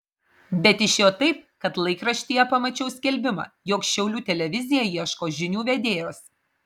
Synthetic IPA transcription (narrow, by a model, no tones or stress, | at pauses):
bʲɛt̪ʲɪʃʲjoːt̪ɐɪp̚kɐt̪lˠɐɪkɾɐʃʲt̪ʲiːjɛpɐmɐt͡ʃʲɛʊsʲkʲɛlʲbʲɪmɑ̰ːjoːkʃʲɛʊlʲuːt̪ʲɛlʲɛʋʲɪzʲɪjɛjiɛʃkoːʒʲɪnʲuːʋʲɛd̪ʲeːjoːs